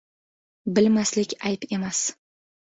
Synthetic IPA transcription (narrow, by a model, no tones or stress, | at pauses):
bɪlmaslɪkʲajpe̞mas